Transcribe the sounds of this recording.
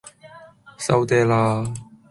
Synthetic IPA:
sɐ˧wt̪ɛː˧˩laː˧

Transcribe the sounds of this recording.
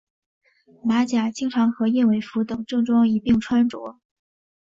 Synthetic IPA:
ma˧˥t͡ɕja˨˩t͡ɕi˥ŋʈ͡ʂʰɑ˧˥ŋxɤ˧˥jɛ˥˩we˧˥ɪfu˧˥t̪ɤ˨˩ŋʈ͡ʂɤ˥˧ŋʈ͡ʂwɑ˥ŋi˧˨˩pi˥˧ŋʈ͡ʂʰwa˥nʈ͡ʂwɔ̰˧˥

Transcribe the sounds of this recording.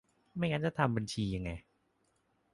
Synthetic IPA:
ma˥˩jŋaː˦˧˥nt͡ɕa˧˩t̪ʰa˧mba˧nt͡ɕʰiː˧ja˧ŋːa˧j

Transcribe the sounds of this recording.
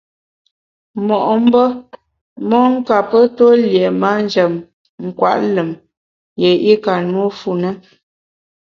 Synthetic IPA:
mɔ˨ʔm̩˦bə˦ | mɔ˦ŋ̩˦ka˨pə˦to˦ljɛ˨ma˦n˦d͡ʒə˨m | ŋ̩˨kwa̰˦˨ʔlə˨m | jɛ˨i˦ka˨nwu˦fu˨nə˦

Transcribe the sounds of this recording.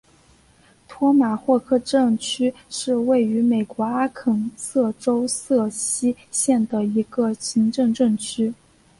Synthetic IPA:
t̪ʰwɔ˥ma˨˩xwɔ˥˧kʰɤ˥˧ʈ͡ʂɤ˥˩ŋt͡ɕʰy˥ʂɻ̩˥˧we˥˩ɪy˧˥me˨˩ɪkwɔ˧˥a˥kʰɤ˨˩ŋsɤ˥˩ʈ͡ʂo˥ʊsɤ˥˩ɕi˥ɕjɛ˥˩nd̪ə˩i˧˥ɡə˧ɕi˧˥ŋʈ͡ʂɤ˥˧ŋʈ͡ʂɤ˥˩ŋt͡ɕʰy˥

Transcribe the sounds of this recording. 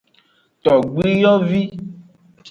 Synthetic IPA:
t̪ɔ˨ɡ͡bi˦jɔ˦vi˦

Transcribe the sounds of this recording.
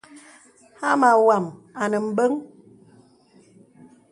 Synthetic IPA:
ha˦ma˨wa˨m | a˨nə˨m̩˨bə˦ŋ

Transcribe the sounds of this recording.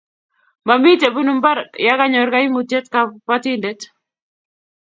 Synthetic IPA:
ma˨mi˦te˨bu˦nu˨mba˦ɾja˦ka˦ɲɔ˨ɾka˦imute˦t̪kapatinde˦t

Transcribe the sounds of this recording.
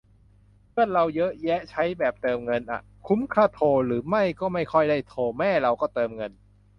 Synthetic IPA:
pʰɯ˥˩ət̪̚ɾa˧wjɤ˦˥ʔjɛ˦˥ʔt͡ɕʰa˦˥jbɛː˨˩p̚t̪ɤː˧mŋɤ˧nʔa̰˨˩ | kʰu˦˥mkʰaː˥˩t̪ʰoː˧ɾɯː˩˦ma˥˩jkɔː˥˩ma˥˩jkʰɔ˥˩jdaː˥˩jt̪ʰoː˧mɛː˥˩ɾa˧wkɔː˥˩t̪ɤː˧mŋɤ˧n

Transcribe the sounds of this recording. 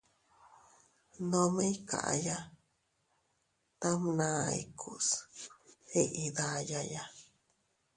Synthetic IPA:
nõ˧mẽ˦i˦ka̰˨ʔa̰˧˨ja˦ | t̪a˦mnã˧ḭ˨kʰu˨s | e˦ʔi˧ða˧ja˧ja˦

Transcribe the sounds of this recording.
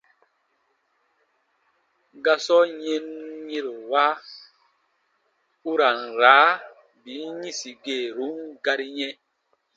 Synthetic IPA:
ɡa˦sɔ˦ɲɛ˦nɲi˦ɾwa˦ | u˦ɾa˨n˨ɾa˨˦ | bi˨˦ɲĩ˦si˨ɡe˨ɾu˨˦ŋɡa˦ɾi˦ɲɛ̃˦

